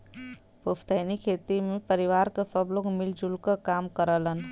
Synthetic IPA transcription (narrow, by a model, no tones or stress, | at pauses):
puft̪ənikʰeːt̪imẽpəɾiʋaːɾkəsəbloɡmild͡ʒulkəkaːmkəɾələn